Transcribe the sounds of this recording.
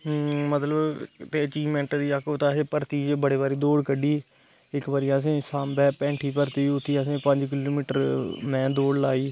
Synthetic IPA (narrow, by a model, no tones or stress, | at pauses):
mət̪ləbt̪eːət͡ʃiːʋmɛ̃ɳʈd̪iːəkʰːoːt̪aːsẽːpəɾt̪iːbəɽeːbaːɾiːd̪oːɽkəɖiː | ɪkʋaːɾijãːs̬ẽːsaːmbɛːpɛ̃ːɳʈʰiːpəɾt̪iːʊt̪ʰːiːasẽːpə̃ɲd͡ʒk̬ɪloːmiːʈəɾmɛ̃ːd̪oːɽlaːiː